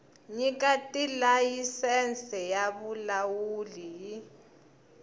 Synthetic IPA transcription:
ɲik̬ʼatʼilajisɛnt͡sɛjaɓulawuliji

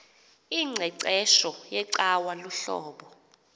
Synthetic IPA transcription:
iŋ͡ǀʱɛǀɛʃɔjɛǀawaluɬɔ̰ːɓɔ

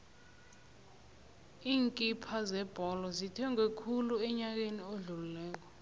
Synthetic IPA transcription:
iːŋkʼipʰazɛb̥ʱɔlɔzitʰɛŋwekʰuluɛɲak̬enioɮululɛːk̬ɔ

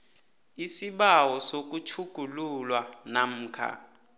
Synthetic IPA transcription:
isiɓawɔsok̬ʼut͡ʃʰuɡ̥ʱululwanam̩ːkʰa̰

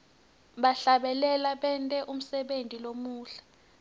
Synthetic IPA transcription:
ɓaɬaɓɛlɛlaɓɛntʼɛʔum̩sɛɓentʼilomuːɬḁ

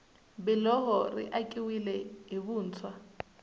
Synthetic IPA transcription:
bɛlɔɦɔrḭʔakʼiwilɛɦiβuːnt͡sʰwa

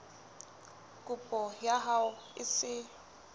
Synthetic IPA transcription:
kʼʊpʼɔjaɦaʊɪsɪ

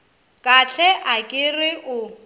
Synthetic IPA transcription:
kʼat͡ɬʰɛʔakʼɪrɪʔʊ

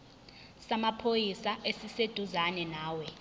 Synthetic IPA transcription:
samapʰojisaʔesised̥ʱuzanɛnaːwɛ

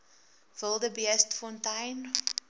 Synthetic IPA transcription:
vəlˠdəbiɛstfɔ̃ntajn

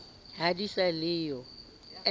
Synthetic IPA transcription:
ɦadisalɪːjɔ | ɛ

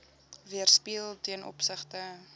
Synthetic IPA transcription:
viərspiəlˠtiənʔɔ̰psəχtə

